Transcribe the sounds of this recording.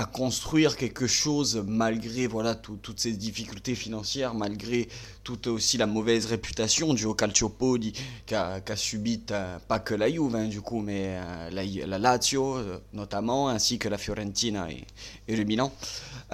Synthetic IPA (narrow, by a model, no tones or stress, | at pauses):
akɔ̃st̪χɥiʁkʲɛlkəʃozmalɡʁevwalat̪ut̪ːut̪sɛd̪ifikʲylt̪efinɑ̃sjɛʁmalɡʁet̪ut̪osilamɔvɛzʁepyt̪asjɔ̃d̪yokalt̪opɔlikʲakasybit̪pakəlajuvɛ̃d̪ykumɛø̰lajlalat̪jonɔt̪amɑ̃ɛ̃sikəlafjɔʁɑ̃t̪ina̰ḛeləmilɑ̃